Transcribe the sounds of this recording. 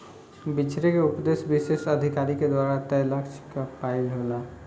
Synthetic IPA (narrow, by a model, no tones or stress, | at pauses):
bɪt͡ʃʰɾekeʊpd̪esbɪʃeʃəd̪ʱikaːɾiked̪waːɾat̪ələkʃkapailɦola